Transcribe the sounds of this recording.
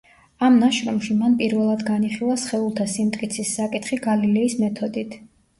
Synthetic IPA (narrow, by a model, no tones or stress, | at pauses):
amnaʃɾɔmʃimanpʼiɾvɛlˠad̪ɡaniχilˠasχɛulˠt̪ʰasimt̪ʼkʼit̪sʰisːakʼit̪ʰχiɡalilɛismɛt̪ʰɔd̪it̪ʰ